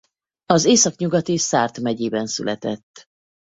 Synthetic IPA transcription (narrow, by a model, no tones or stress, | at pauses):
ɒzeːsɒkɲuɡɒt̪isaːrt̪mɛɟeːbɛnsy̰lʔɛt̪ɛt̪ː